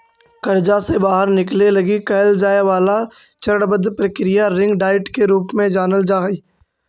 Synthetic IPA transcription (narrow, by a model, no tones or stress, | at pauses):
kɐɾd͡ʒasebaːɦəɾnɪklelɐɡikɛɦəld͡ʒaːeʋaːla | t͡ʃəɽbəd̪ʱpɾəkɾɪjaɾɪ̃ŋɡɖaːɪʈkeɾuːpmẽd͡ʒaːnəld͡ʒaːɦi